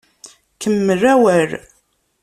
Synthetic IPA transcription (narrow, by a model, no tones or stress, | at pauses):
kəmːəræwəɾ